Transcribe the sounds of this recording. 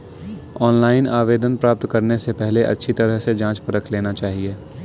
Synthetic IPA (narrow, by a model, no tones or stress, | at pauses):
ɔːnlaːɪnaːʋeːd̪ənpɾaːp̚t̪kɐɾnesepɛɦleʔɐ̰tːʃʰit̪ɐɾəɦsed͡ʒãːt͡ʃpɐɾəkʰleːnat͡ʃaːɦieː